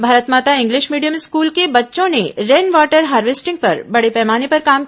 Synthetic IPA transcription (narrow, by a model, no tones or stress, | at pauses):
bʱaːɾət̪mat̪aɪ̃ŋɡliʃmiːɽijəmskuːlkebətːʃõneɾeɳɖʋaʈəɾɦaːɾʋesʈɪ̃ŋɡ̚pəɾbəɽepɛːmanipəɾkam